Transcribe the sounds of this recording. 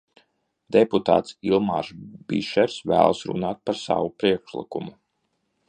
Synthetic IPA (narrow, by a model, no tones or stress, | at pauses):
d̪̥eput̪a̰ːt̪silˠma̰ːɾsbḭʃɛɾsvæ̰ːlˠsɾṵnaːt̪̚paɾsa̰ʋupɾiɛkʃlˠḭkumu